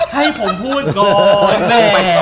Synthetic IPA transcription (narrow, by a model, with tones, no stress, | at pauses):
ha˥˩jpʰo˩˦mpʰuː˥˩t̪̚kɔː˧mɛː˥˩mɛː˧